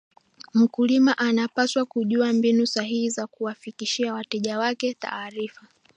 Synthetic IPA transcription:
m̩kulimaʔanapaswakuʄuambinusaɦihizakuwafikiʃiawatɛʄawakɛta̰ːɾifa

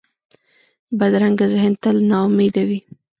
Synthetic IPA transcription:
bad̪ɾaŋɡazɪɦɪnt̪əlnɑʊmed̪awi

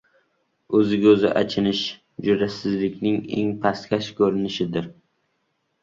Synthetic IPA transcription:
ɵzɪɡʲaɵzɪ̰ʔa̰t͡ʃʰɪnɪʃ | d͡ʒʊɾasɪzlɪkʲnɪŋḛŋpʰast̪kʲaʃkʰɵɾɪnɪʃɪd̪ɪɾ

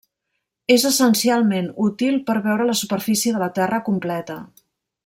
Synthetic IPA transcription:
ezəsənsialˠmenut̪ilˠpəɾβɛwɾələsupəɾfisiəðələt̪ɛrəkumplɛt̪ə

